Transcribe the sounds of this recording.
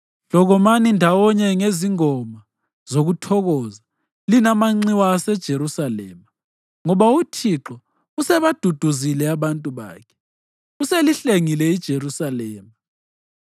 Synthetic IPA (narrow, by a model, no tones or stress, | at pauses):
ɬlɔɣɔmanindʱawɔɲɛŋeziŋɔma | z̥oɣutʰɔɣɔza | linamaŋ͡ǀiwaːsɛd̥ʒ̥ʱeɾusalɛ̰ːma | ŋɔβautʰiǁɔ | usɛβad̥ʱud̥ʱuzilɛaβantʼuβa̰ːkʰɛ̥ | useliɬeŋilɛid̥ʒ̥ʱeɾusalɛːma